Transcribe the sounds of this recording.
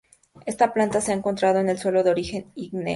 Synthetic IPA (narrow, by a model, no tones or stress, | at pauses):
e̞st̪aplant̪aseaeŋko̞nt̪ɾaðo̞ene̞lswe̞lo̞ðeo̞ɾixe̞niɡnḛ